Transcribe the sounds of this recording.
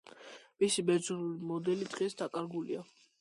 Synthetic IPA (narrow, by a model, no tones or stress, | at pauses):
misibɛzuɾulimɔd̪ɛlid̪ʁisd̪akʼaɾɡulḭa